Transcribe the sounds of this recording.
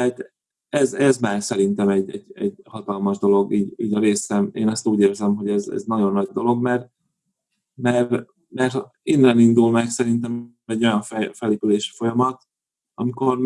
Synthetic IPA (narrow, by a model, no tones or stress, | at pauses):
aːt̪ | ɛzɛzmaːrsɛɾint̪ɛmɛɟɛɟɛ̰ɟhɒt̪ɒlmɒʒd̪o̞lo̞ɡiːɟiːɟɒɾeːsɛmeːnɒst̪uːɟeːɾzɛmɦo̞ɟɛzɛ̰znɒɟo̞nːɒɟ̚d̪o̞lo̞ɡmɛr | mɛr | mɛr | inːɛnind̪ulmɛɡsɛɾint̪ɛm | ɛɟːo̞jɒɱfɛfɛlːeːpyleːʃi̥fo̞jɒmɒt̪ | ɒmiko̞r